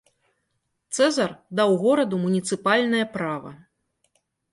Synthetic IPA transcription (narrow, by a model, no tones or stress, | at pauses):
t̪sɛzɐrd̪awɣɔɾɐd̪umunʲit̪sɨpalʲnɐjɐpɾavɐ̰